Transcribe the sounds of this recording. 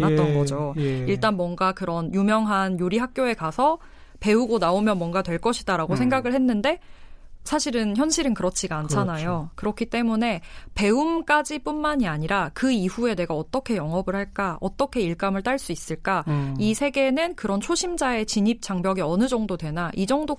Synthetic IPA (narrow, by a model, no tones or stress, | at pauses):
at͈ʌɡʌd͡ʑoiɭt͈anmwʌnɡakɯɾʌnjumjʌŋɦanjoɾiɦak̚k͈joe̞kasʰʌ | pe̞uɡonaomjʌnmwʌnɡatwe̞ɭk͈ʌɕʰidaɾaɡosʰeŋɡaɡɯɭhe̞nːɯnde̞sʰaɕʰiɾɯnçjʌnɕʰiɾɯnkɯɾʌt͡ɕʰiɡaːnt͡ɕʰanajokɯɾʌkʰit͈e̞mune̞pe̞umk͈ad͡ʑip͈unmaɲiaɲiɾakɯiɸue̞de̞ɡaʌt͈ʌkʰe̞jʌŋʌbɯɭhaɭk͈aʌt͈ʌkʰe̞iɭk͈amɯɭt͈aɭs͈uis͈ɯɭk͈aisʰe̞ɡe̞nɯnkɯɾʌnt͡ɕʰoɕʰimd͡ʑae̞t͡ɕiɲip̚t͡ɕ͈aŋbjʌɡiʌnɯd͡ʑʌŋdodwe̞naʔid͡ʑʌŋdo